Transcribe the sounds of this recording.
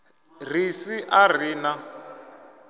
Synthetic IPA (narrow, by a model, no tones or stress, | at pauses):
r̤isiʔar̤iːna